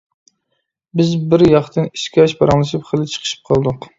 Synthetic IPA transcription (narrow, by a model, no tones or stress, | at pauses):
bɪzbɪɾjɑχt̪ʰɨniʃkʲɑʃbɑɾɑŋlˠɨʃipχəlˠɪt͡ʃʰə̥qʰə̥ʃi̥p̚qʰɑlˠd̪ʊq